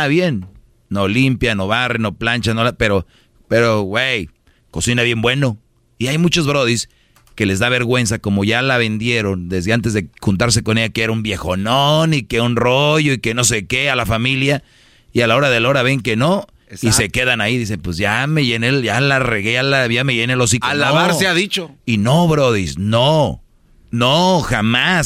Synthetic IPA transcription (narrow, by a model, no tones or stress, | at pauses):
aβjenː | o̞limpjano̞βareno̞plant͡ʃanolape̞ɾo̞ | pe̞ɾowej | ko̞sinaβje̞mbwe̞no̞ | iajmut͡ʃo̞zβɾo̞ðis | ke̞le̞zðaβe̞ɾɣwe̞nsako̞mo̞ʝalaβe̞nd̪je̞ɾo̞nd̪e̞zðeant̪̬e̞zðexunt̪̬aɾs̬e̞ko̞ne̞ʝakeeɾaumbje̞xo̞nonikeunroʝo̞ike̞no̞s̬ekealafamilja | ialao̞ɾaðe̞lao̞ɾaβe̞ŋke̞no̞ | sise̞ke̞ðanaiðis̬e̞npweszʝame̞ʝenelʝalareɣealaʝame̞ʝenelos̬ikoalaβaɾeaðit͡ʃoinoβɾo̞ð̞isno | noxamas